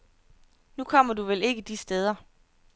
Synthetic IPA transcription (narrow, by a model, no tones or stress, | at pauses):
nukʰɒ̽m̰ɐduʋele̝ɡ̥əd̥isd̥eð̞ˠɐ